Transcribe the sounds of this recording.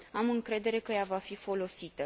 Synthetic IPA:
amɨŋkɾe̞d̪e̞ɾe̞kəjavafifo̞lo̞sit̪ə

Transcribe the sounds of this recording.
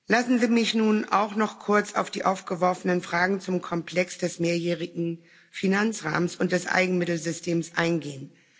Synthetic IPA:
lasn̩ziːmɪçnuːnʔa̰ʊχnɔχkʰʊɐt͡sa̰ʊfd̥iːʔaʊfɡ̥əvɔɐfənənfʁ̥aːɡŋ̩t͡sʊmkʰɔmpl̥ɛksd̥ɛsmeːɐjɛːʁɪɡŋ̩ | finant͡sʁa̰ːmənsʊnt̚d̥ɛsʔa̰ɪɡŋ̩mɪtl̩zʏstʰeːmsʔaɪnɡeːən

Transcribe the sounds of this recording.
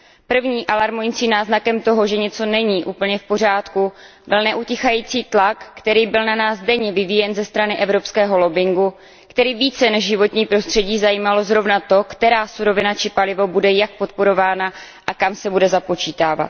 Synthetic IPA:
pr̩vɲiːʔalaɾmujɪt͡siːmnaːznakɛmt̪o̞ɦo̞ʒɛɲɛt͡so̞nɛɲiːʔuːpl̩ɲɛfpo̞r̝aːt̪ku | bɪlnɛʔuːcɪxajiːt͡siːt̪lakːt̪ɛɾiːbɪlnanaːsdɛɲɛvɪvijɛnzɛst̪ɾanɪʔɛvɾo̞pskɛːɦo̞lo̞bɪŋɡu | kt̪ɛɾiːviːt͡sɛnɛʒʒɪvo̞t̪ɲiːpɾo̞st̪r̥ɛɟiːzajiːmalo̞zɾo̞vnat̪o̞kt̪ɛɾaːsuɾo̞vɪnat͡ʃɪpalɪvo̞budɛjak̚po̞t̪̚po̞ɾo̞vaːna | ʔakamsɛbudɛzapo̞t͡ʃiːt̪aːva̰t̪̚

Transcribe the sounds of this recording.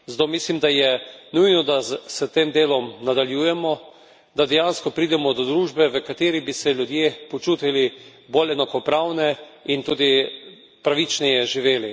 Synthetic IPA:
zd̪omislimd̪ajɛnujnɔd̪asət̪eːmd̪eːlɔmnad̪aljuːjɛmɔ | d̪ad̪ɛjanskɔpɾiːd̪ɛmɔd̪ɔd̪ɾuːʒbɛʋəkat̪eːɾibisɛlʲjud̪jeːpɔt͡ʃuːt̪ilibolɛnakɔpɾawnɛint̪uːd̪i | pɾaʋit͡ʃnɛjɛʒiʋeːli

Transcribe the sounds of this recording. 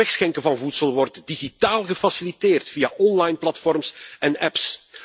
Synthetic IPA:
ɛxsxɛŋkəvɑnvutsəlˠʋɔrtdiɣitaːlˠɣəfɑsiliteːrtfiaʔɔnlajnplɑtfɔrmsɛnɛps

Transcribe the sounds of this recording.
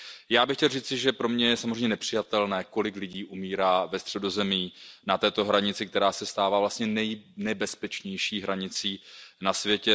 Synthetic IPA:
jaːbɪxcɛlriːt͡sɪʒɛpɾo̞mɲɛjɛsamozreɛjmɲɛnɛpr̝̥ɪjat̪ɛlnɛːko̞lɪklɪɟiːʔumiːɾaːvɛst̪r̝̥ɛdo̞zɛmiːnat̪ɛːt̪o̞ɦɾaɲɪt͡sɪk̚t̪ɛɾaːsɛst̪aːvaːvlast̪ɲɛnɛjnɛbɛspɛt͡ʃɲɛjʃiːɦɾaɲɪt͡siːnasvjɛcɛ

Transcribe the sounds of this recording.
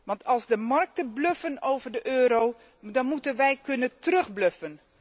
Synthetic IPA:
ʋɑntɑlˠzdəmɑrk̚təbløfənowvərdəʔøːɾow | dɑnmutənʋɛjkɵnəntərɵχbløfən

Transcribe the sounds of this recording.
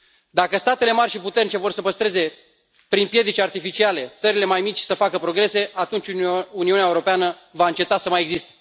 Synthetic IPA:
d̪akəst̪at̪e̞le̞marʲʃiput̪ernit͡ʃe̞vo̞rsəpəst̪ɾe̞ze̞ | pɾinpje̞d̪it͡ʃʲart̪ifit͡ʃiale̞t̪səɾile̞majmit͡ʃʲsəfakəpɾo̞ɡɾe̞se̞ʔat̪unt͡ʃʲuniuneaeuɾo̞peanə | vaɨnt͡ʃe̞t̪asəmajeɡzist̪e̥

